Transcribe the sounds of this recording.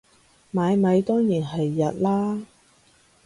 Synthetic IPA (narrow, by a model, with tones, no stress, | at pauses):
maː˨˧jmɐ˨˧jt̪ɔː˥ŋjiː˨˩nɦɐ˨jːɐ˨t̚laː˥